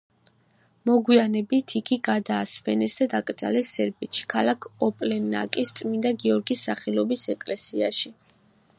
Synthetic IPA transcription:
mɔɡwianɛbit̪ʰiɡiɡad̪aːsvɛnɛsd̪ad̪akʼt̪zʼa̰lɛsːɛɾbit̪ʃʰi̥kʰalakʰɔpʼlɛnːa̰kʼist̪sʼmind̪aɡiɔɾɡisːaχɛlɔbisɛkʼlɛsia̰ʃi

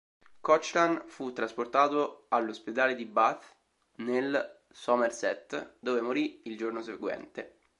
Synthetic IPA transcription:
kɔt͡ʃlanfut̪ːɾasport̪aːt̪oalːosped̪aːled̪ibat̪ | nel | sɔmersɛt̪ːd̪oːvemoɾiild͡ʒornoseɡwɛ̰nt̪e

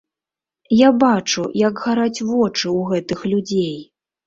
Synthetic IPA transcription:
jabat͡ʂujɐɡɣaɾat͡sʲvɔt͡ʂɨwɣɛt̪ɨxlʲud͡zʲej

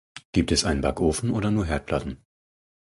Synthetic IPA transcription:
ɡ̥iːp̚tɛsʔaɪnənba̰kʔoːfn̩ʔoːdɐnuːɐɦɛɐt̚pʰl̥atn̩

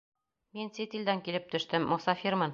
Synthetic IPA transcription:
minsit̪ild̪æŋkilɘp̚t̪ɵ̆ʃt̪ɘmːɒsɑfiɾmɤn

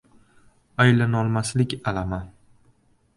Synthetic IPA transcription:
ajlanɒlˠmaslɪkʲalaman

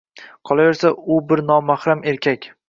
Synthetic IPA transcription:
qʰɒlˠave̞ɾsaʊbɪɾnɒmahɾame̞ɾkʲʰakʲ

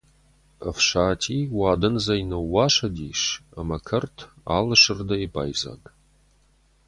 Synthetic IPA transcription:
ɐfʂaːtʰiːwaːdɐnzɐjnɐwːaːʂɐdiːʂɐmɐkʰɐrtʰ | a̰ːlɨʂɨrdɐiba̰ːjza̰ːɡ

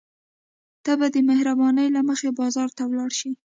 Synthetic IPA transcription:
t̪abad̪əmɪhɾabɑnəjlaməxebɑzɑɾt̪awlɑɽʃi

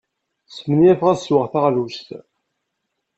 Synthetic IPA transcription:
smənjæfʁæswəʁθaʁðust̪

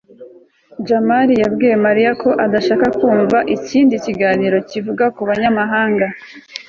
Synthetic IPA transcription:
d͡ʒamaɾijabɡiːje̞maɾijako̞ʔadaʃaːkakuːɱvaʔiciːndiciɡaːniɾo̞civuɡakuβaɲamaɦaːŋɡa

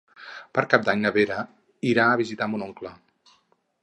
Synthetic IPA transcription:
pəɾkap̚d̪aɲnəβeɾə | iɾaəβ̞izit̪amunoŋklə

